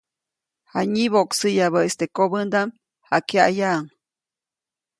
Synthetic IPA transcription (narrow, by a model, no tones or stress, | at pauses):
haɲiβoʔksɨjaβəest̪ekoβənd̪am | hakeajaŋ